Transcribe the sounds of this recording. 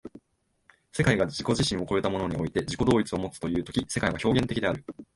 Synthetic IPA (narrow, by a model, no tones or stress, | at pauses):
se̞kaiɡad͡ʑiko̞ʑiɕĩɰ̃o̞ko̞e̞t̪amo̞no̞ɲ̟io̞it̪e̞ʑiko̞d̪o̞ːit͡sɨo̞mo̞t͡sɨ̥t̪o̞jɯ̟ːt̪o̞kʲise̞kaiβaço̞ːɡẽ̞nt̪e̞kʲid̪e̞aɾɯ̟